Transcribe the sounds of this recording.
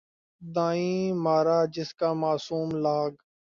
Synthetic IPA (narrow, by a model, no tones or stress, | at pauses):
d̪ãːĩːmaːɾaːd͡ʒɪskaːmaːsuːmlaːɡ